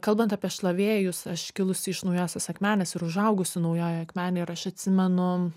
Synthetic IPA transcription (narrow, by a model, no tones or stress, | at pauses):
kɐlˠbɐnt̪ɑːpʲiɛʃlˠɐʋʲeːjʊsɐʃkʲɪlˠʊsʲɪɪʃnɐʊjoːsʲɛsɐkmʲæːnʲɛsɪɾʊʒɐʊɡʊsʲʊnɐʊjoːjɐkmʲæːnʲɛɪɾɐʃɐt̪ʲsʲɪmʲɛnʊ